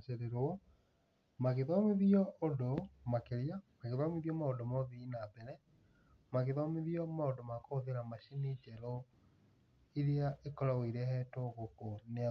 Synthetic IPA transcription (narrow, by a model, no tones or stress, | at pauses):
t͡ʃeɾeɾɔ | maɣeðɔmeðiɔʔodomakeɾijamaɣeðwameðjɔmaodomɔðiːnabɛnɛ | maɣeðɔmeðiɔmaodomakooðeɾamaɕinid͡ʒɛɾo | iɾjaʔekɔɾaweɾɛhɛtoɣokonea